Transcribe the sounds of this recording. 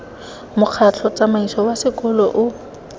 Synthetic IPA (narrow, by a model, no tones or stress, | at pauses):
mʊq͡χʰat͡ɬʰɔt͡sʼamaisɔwasɪkʼɔlɔʔʊ